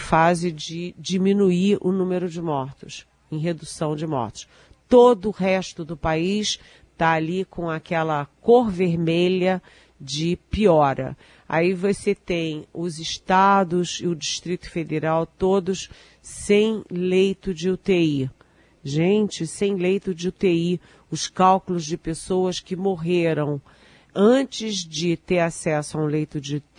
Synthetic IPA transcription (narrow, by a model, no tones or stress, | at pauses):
fazɪd͡ʒɪd͡ʒimĩnuiɾʊ̰nũmeɾʊd͡ʒɪmɔɾt̪ʊs | ẽj̃ɦed̪usɐ̃w̃d͡ʒɪmɔ̰ɾt̪ʊ̥s | t̪od̪ʊːɦɛʃt̪ʊd̪ʊpais | t̪aːlikʰõakɛlɐkoɾveɾmeʎɐ | d͡ʒɪpiɔɾɐ̰ | a̰ivoset̪ẽj̃ʊzɪʃt̪ad̪ʊsɪʊd͡ʒiʃt̪ɾit̪ʊ̥fed̪eɾawt̪od̪ʊs | sẽj̃lejt̪ʊd͡ʒɪʊt̪ei | ʒẽnt͡ʃɪsẽj̃lejt̪ʊd͡ʒɪʊt̪ei | ʊskawkʊlʊzd͡ʒɪpesowɐskɪmoɦeɾɐ̃w̃ | ɐ̃t͡ʃɪzd͡ʒɪt̪eɾasɛsʊɐũlejt̪ʊd͡ʒɪ